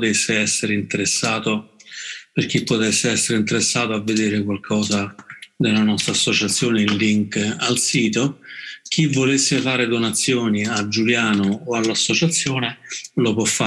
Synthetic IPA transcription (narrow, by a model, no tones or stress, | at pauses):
t̪esːeɛsːeɾeint̪eɾesːaːt̪o | perk̟ipːot̪ɛsːeɛsːeɾeint̪eɾesːaːt̪oavːed̪eːɾekwalkʰɔːzad̪elanɔst̪ɾasːot͡ʃat̪sːjoːneinliŋkalsiːt̪ok̟ʰivːolesːefaːɾed̪onat̪sːjoːniad͡ʒuljaːnoːalːasːot͡ʃat̪sːjoːnelopwɔfːa